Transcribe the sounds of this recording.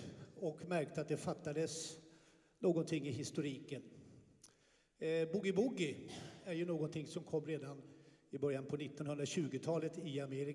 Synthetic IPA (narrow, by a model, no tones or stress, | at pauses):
ɔkmæɾk̚t̪əat̪̚d̪ɛfat̪ːad̪əs | noːɡɔnt̪ʰɪŋːɪɦɪst̪ʊɾiːkən | bʊɡɪbʊɡɪæɾjɵnoːɡɔnt̪ʰɪŋsɔmkʰɔmːɾeːd̪anɪbœɾjanpʰɔnɪt̪ːɔnhɵnd̪ɾaɕʉ̟ːɡʊt̪ʰɑːlət̪ɪameːɾɪ